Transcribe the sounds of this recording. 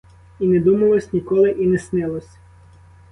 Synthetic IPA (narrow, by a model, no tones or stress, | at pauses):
inɛd̪umɐlˠɔsʲnʲikɔlˠɪʔinɛsnɪlˠɔsʲ